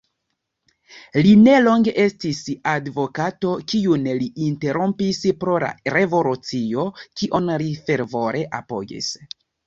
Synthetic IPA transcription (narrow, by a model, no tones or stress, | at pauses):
line̞lo̞ŋɡe̞ʔe̞stisadvo̞kato̞kiunliʔːnte̞ɾo̞mpispɾo̞la̰ɾevo̞lut͡sio̞kiʔonɾife̞ɾvo̞ɾʔe̞ʔapo̞̰ɡḭs